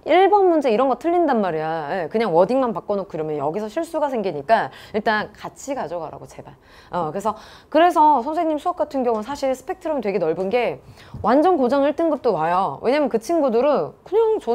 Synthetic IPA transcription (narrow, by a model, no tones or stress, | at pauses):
iɭbʌnmund͡ʑe̞iɾʌnɡʌtʰɯʎːindanmaɾiaekɯɲaŋwʌdiŋmanpak͈ʌnokɯɾʌmjʌnjʌɡisʰʌɕʰiɭs͈uɡas̬ʰe̞ŋɡiɲik͈aiɭt͈ankat͡ɕʰiɡad͡ʑoɡaɾa̰ɡot͡ɕe̞baɭ | ʌkɯɾe̞sʰʌ | kɯɾe̞s̬ʰʌsʰʌns̬ʰeŋɲimsʰuak̚k͈atʰɯnɡjʌŋunsʰaɕʰiɭsʰɯ̥pʰe̞k̚tʰɯɾʌmitwe̞ɡe̞nʌɭbunɡe̞ | wʔand͡ʑʌnkod͡ʑaŋiɭt͈ɯnɡɯp̚t͈omajowʔe̞ɲaːmjʌnkɯt͡ɕʰinɡudɯɾɯnkɯɲaŋt͡ɕo